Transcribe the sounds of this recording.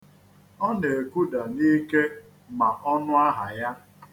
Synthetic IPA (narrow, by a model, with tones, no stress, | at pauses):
ɔ˦ne˨ku˦da˨ni˦ke˦ | ma˨ʔɔ˦nʊ˦a˦ɦa˨ja˦